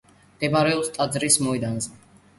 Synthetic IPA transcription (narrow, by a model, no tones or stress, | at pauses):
d̪̥ɛbaɾɛɔlˠst̪ʼad̪zɾismɔid̪anzɛ